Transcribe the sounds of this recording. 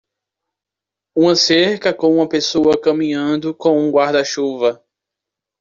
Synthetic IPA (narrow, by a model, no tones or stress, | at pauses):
ũmɐseɾkɐkõw̃ũmɐpesowɐkɐmĩɲɐ̃nd̪ʊkõũɡwaɾd̪ɐʃuvɐ